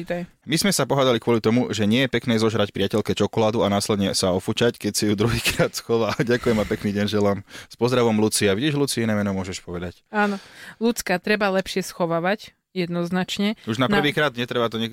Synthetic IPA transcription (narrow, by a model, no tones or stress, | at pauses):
it̪aj | mizmɛsapɔɦaːd̪alikʋʊɔlit̪ɔmuʒɛɲɪɛjɛpɛknɛːzɔʒɾacpɾɪacɛlkɛt͡ʃɔkɔlaːd̪uanaːslɛd̪ɲɛsaɔfut͡ʃackɛcsajud̪ɾuɦiːkɾaːt̪sxɔʋaːɟakujɛmapɛkniːɟɛnʒɛlamspɔzd̪ɾaʋɔmlut͡siaʋiɟiːʒlut͡siinɛːmɛnɔmʊɔʒɛʃpɔʋɛd̪acaːnɔlut͡skat̪ɾɛbalɛpʃɪɛsxɔʋaːʋac | jɛd̪nɔznat͡ʃɲɛuʒnapnrʋiːkɾaːd̪ɲɛt̪ɾɛbat̪ɔɲɛ